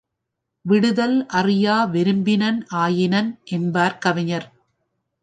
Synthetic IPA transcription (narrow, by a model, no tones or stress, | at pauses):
ʋɪɽɯðɐlʔɐrɪjaːʋɛɾɯmbɪnɐnʔaːjɪnɐnʔɛnbaːɾkɐʋɪɲɐɾ